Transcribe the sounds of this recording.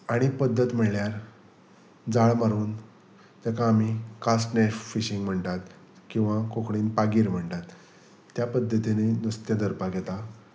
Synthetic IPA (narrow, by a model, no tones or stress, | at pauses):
aɽ̃ipəd̪ʱːət̪m̤əɭljaɾ | d͡zaɭmaɾuːn | t̪akãːm̤ikasʈneffiɕiŋɡm̤əɳʈ̪at̪ | kĩw̃ʋãkokɽiːnpaɡiːɾm̤əɳʈ̪at̪ː | japəd̪ʱːət̪inenust̪jad̪əɾpaɡʱɛt̪a